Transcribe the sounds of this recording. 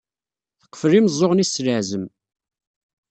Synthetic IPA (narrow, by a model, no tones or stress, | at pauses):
θə̥qːə̥fəlimzˤːoʁnisːləʕzəm